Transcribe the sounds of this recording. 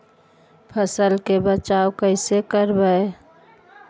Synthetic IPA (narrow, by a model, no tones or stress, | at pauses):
pʰəsəlkebət͡ʃaːwkəɪsekəɾbəe